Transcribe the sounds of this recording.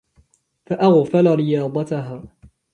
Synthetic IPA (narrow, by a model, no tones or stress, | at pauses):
faʔaɣfalaɾɪjɑːd̪ˤɑt̪aɦaː